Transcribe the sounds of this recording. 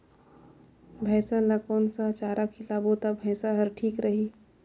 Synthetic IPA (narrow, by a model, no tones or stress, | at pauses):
bʱɛ̃ːsalakoːnsat͡ʃaːɾakʰilaːbot̪abʱəːsaɦəɾʈʰiːkɾəɦiː